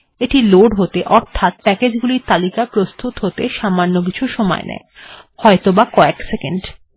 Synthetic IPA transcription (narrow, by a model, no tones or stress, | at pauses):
eʈiloɖɦot̪eʔɔɾt̪ʰat̪̚pɛked͡ʑɡuliɾt̪alikapɾost̪ʰut̪ɦot̪eʃamanːok̬it͡ɕʰuʃɔmɔ̰enɛ̰e | hɔet̪obakɔeksekeɳɖ